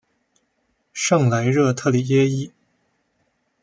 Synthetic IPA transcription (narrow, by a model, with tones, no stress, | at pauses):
ʂɤ˥˩ŋla˧˥ɪɻɤ˥˧t̪ʰɤ˥˩li˨˩ɛ˥i˥